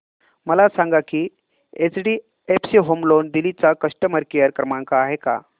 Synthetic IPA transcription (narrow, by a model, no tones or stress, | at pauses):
məlasãŋɡakiː | et͡sɖi | epsiɦomlond̪ilit͡sakəʂʈəməɾkijəɾkɾəmaŋkaːɦeka̰